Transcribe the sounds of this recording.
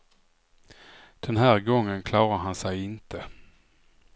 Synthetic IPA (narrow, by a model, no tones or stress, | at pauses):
d̪̥ɛnɦæːɾɡɔŋːənkʰlɑːɾaɾɦansɛjɪnt̪ʰə